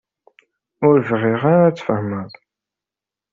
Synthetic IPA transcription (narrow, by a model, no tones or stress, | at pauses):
ʊɾvʁɪʁaɾat͡sːfəhməðˤ